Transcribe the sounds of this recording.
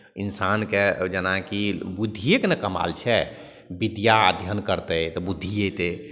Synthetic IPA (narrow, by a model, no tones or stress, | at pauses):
insanked͡ʒənakibud̪ʱːijekenɛkəma̰lt͡ʃʰɛ | bid̪jaəd̪ʱjənkəɾt̪əjt̪ɔbud̪ʱːijet̪e